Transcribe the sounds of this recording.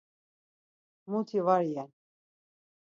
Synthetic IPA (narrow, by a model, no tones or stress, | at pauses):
mut̪ʰivaɾijɛn